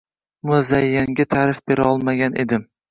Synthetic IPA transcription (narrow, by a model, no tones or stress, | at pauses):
mʊzajːaŋɡʲat̪ʰaːɾɪfb̥eɾɒlˠmaɡʲanʔe̞d̪ɪm